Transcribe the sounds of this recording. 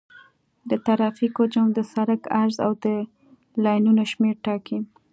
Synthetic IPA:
d̪ət̪aɾɑfikod͡ʒamd̪əsaɾakaɾza̰wd̪ə | lɑjnunoʃmeɾʈɑkim

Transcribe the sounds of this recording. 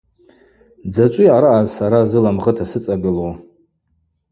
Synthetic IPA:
d͡zat͡ʃʷʼijaɾaazsaɾazɨlamχətʰasɨt͡sʼaɡɨlow

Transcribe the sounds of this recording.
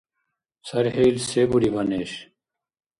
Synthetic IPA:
sɐɾhejlseːbuɾibɐneːɕ

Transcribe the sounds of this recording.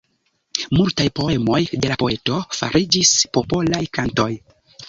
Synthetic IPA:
multajpo̞e̞mo̞jde̞lapo̞e̞to̞fa̰ɾid͡ʒispo̞po̞lajkanto̞j

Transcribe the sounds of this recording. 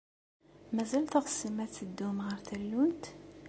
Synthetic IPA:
mæzælt̪əʁə̥səmæθəd̪ːʊmʁəɾθəlːunt̪

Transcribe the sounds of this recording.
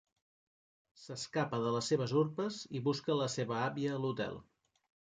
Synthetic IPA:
səskapəðələsːeβ̞əzuɾpəziβuskələseβəaβiəːlut̪ɛ̰lˠ

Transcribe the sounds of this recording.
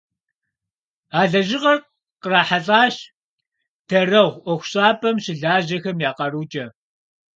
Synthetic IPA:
aːɮɐʒɪʁɐr | qəraːħaɬʼaːɕ | tʰɐrɐʁʷʔʷɔxʷʊɕʼaːpʼɐmɕɪɮaːʑɐxɐmjaːqɐruːt͡ʃʼɐ

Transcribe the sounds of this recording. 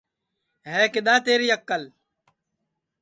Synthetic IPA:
ɦɛːkɪɗ̪aːt̪eːɾiːəkːəl

